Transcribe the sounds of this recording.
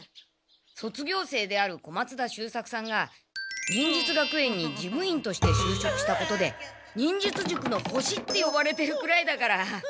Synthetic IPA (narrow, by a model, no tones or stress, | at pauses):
so̞t͡sɨɡʲo̞ːse̞ːd̪e̞aɾɯ̟ko̞mat͡sɨd̪aɕɨːsakɯ̟̥sãŋɡa | ɲĩɲ̟d͡ʑit͡sɨɡakɯ̟ẽ̞ɲ̟ːid͡ʑimɯ̟ĩnt̪o̞ɕi̥t̪e̞ɕɨːɕo̞kɯ̟ɕi̥t̪ako̞t̪o̞d̪e̞ | ɲ̟ĩɲ̟d͡ʑit͡sɨʑɨkɯ̟no̞ho̞ɕit̪ːe̞jo̞baɾe̞t̪e̞ɾɯ̟kɯ̟ɾaid̪akaɾa